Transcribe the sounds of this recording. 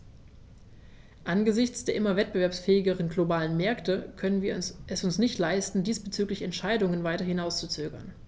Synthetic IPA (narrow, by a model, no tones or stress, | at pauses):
ʔanɡəzɪçt͡sd̥eːɐʔɪmɐvɛt̚b̥əvɛɐpsfɛːɪɡəʁ̞ənɡlobaːlənmɛɐktəkʰœnənviːɐʔɛsʊnsnɪçtlaɪstn̩diːsb̥ət͡syːklɪçɛntʃaɪdʊŋənvaɪtɐhɪnaʊst͡sut͡søːɡɐ̰n